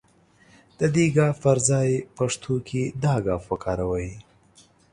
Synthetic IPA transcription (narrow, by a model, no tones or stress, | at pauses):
d̪̥əd̪eɡɑfpaɾzɑjpaʂt̪ʰokʰed̪ɑɡɑːfpəkʰɑɾawəj